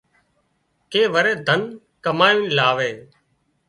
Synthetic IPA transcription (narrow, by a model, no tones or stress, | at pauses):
keːʋəɾeːd̪ʱən | kəmaːjũːnlaːʋeː